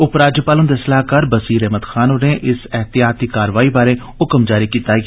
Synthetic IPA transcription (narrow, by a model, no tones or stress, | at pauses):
ʊpɾaːd͡ʒjəpaːlənd̪esəlaːkaːɾbəsiːɾɛɦməd̪xʰaːnoneʔɪsɛɦt̪ɪjaːt̪ikaːɾʋaːibaːɾe | ʊkəmd͡ʒaːɾikiːt̪aɡ